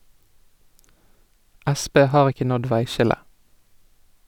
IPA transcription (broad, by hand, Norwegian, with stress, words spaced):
ˈʔæˌspeː ˈhɑːʁ ˈɪkə ˈnɔd ˈʋæɪˌʃɪlə